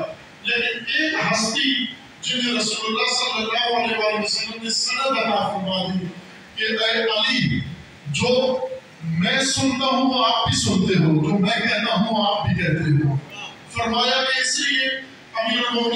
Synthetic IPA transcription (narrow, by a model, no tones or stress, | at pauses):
leːkɪnɪkɦəst̪iː | d͡ʒɪd͡ʒeːɾəsuːləlːaːɦsaːmləkaːʋaːleʋaːleʊsəlːəmneːsɪɽə̃bənaːfəɾmaːd̪iɦ | keʔəeʔaːliː | d͡ʒoː | mɛ̃ːsʊnd̪aːɦũːaːp̚bʱiːsʊnt̪eːɦoːd͡ʒoːmɛ̃ːkɛ̃ːnd̪aːɦũːaːp̚bʱiːkɛːt̪eːɦoː | fəɾmaːjaːkeɪslɪe | əmiːɾmoː